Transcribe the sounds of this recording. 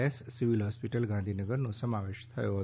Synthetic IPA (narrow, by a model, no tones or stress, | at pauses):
ɛssɪʋilɦɔːspiʈəlɡãnd̪ʱinəɡəɾnõsɐmaʋeːʃt̪ʰɐjo